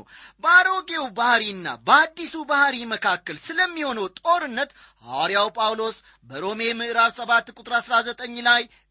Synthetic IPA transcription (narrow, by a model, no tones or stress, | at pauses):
bəaɾo̞ɡe̞wbahɾiɨnːa̰bəad̪ːisubahɾiməkʰakːəlsɨləmːiho̞nəwt̪ʼo̞ɾɨnːət̪ | ha̰ɾjawpʼawlo̞s | bəɾo̞memɨʔɨɾaβsəβat̪ːkʼut̪ʼɨɾasɾazət̪ʼəɲːlaj